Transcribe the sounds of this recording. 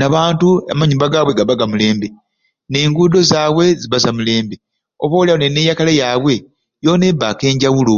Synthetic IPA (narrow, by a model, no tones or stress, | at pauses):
naβaːntua̰maɲumbaɡaːβweɡaβaɡamule̞ːmbe̞ | ne̞ːŋɡuːdo̞zaːβwe̞ziβazamule̞ːmbe̞ | oβowlianene̞ːjakalejaːβwe̞ | jo̞ːne̞bake̞ːɲɟawulu